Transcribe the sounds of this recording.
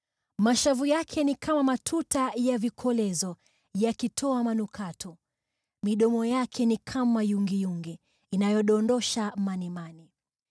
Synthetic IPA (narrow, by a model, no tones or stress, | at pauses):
maʃavujakʰɛnikʰamamatʰutajavikʰɔlɛzɔ | jakitʰɔamanukʰatʰɔ | miɗɔmɔjakʰɛnikʰamajuŋɡijuŋɡɛ | inajɔɗɔndɔʃamanɛmani